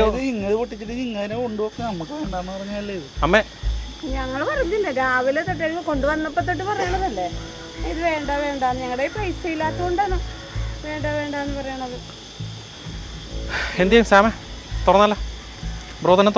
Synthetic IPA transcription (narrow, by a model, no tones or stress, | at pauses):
ðɨiŋːɐðɨpoʈːit͡ɕːiʈːɨiŋːɐðinekoɳɖupoːkunːɐnɐmːukːɨʋe̞ːɳɖaːnːɨpɐrɐɲːaːilːɐiðɨɐmːe | ɲɐŋːɐɭpɐrɐɲːilːeɾaːʋilet̪ːeʈ̬ːelkːɐko̞ɳɖuʋɐnːɐpːɐt̪̬ːoʈ̬ːɨpɐrɐjaɳɐðɐlːe | iðɨʋe̞ːɳɖaːʋe̞ːɳɖaːnːɨɲɐŋːɐɽeiprɐjsejilːaːt̪ːɐɣoɳɖaːnɐ | ʋe̞ːɳɖaʋe̞ːɳɖaːɐnːɨpɐrɐjaɳɐðɨ | end̪ɐjaːmsaːme | t̪urɐnːɐlːɐ | broːðɐnɐt̪